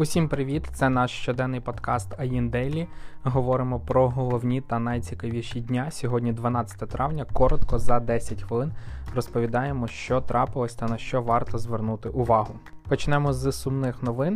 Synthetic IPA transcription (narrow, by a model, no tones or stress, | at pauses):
ʊsʲimpɾɪʋʲit̪t̪sɛnɑʃʃt͡ʃɔd̪ɛnːɪjpɔd̪kɑst̪ɐjind̪ɛjlʲiɦɔʋɔɾɪmɔpɾɔɦɔlˠɔwnʲit̪ɐnɐjt͡sʲikɐʋʲiʃidʲnʲasʲɔɦɔdʲnʲid̪ʋɐnɑt͡sʲɐ̥t̪ɛt̪ɾʔɑwnʲɐkɔɾɔt̪kɔzɐd̪ɛsʲɐtʲxʋɪlˠɪnrɔspɔʋʲid̪ɑjemɔʃt͡ʃɔt̪ɾʔɑpɪlˠɔsʲt̪ɐnɐʃt͡ʃɔʋɑrt̪ɔzʋernut̪ɪʔʊʋɑɦʊ | pɔt͡ʃnɛmɔzsʊmnɪxnɔʋɪn